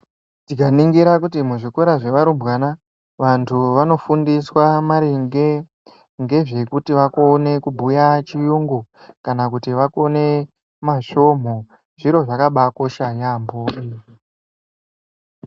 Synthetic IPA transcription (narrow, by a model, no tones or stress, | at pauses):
tikaniŋɡiɾak̬utimuʐiko̞ɾaʐe̞ʋaɾubwana | ʋantʰuʋano̞fundiswamaɾiŋɡe̞ | ŋɡe̞ʐe̞kutiʋakone̞kubʱujat͡ʃijuŋɡu | kanak̬utiʋako̞ne̞ | maʃo̞m̤o̞ | ʐiɾo̞ʐakaɓako̞ʃajambo̞iːri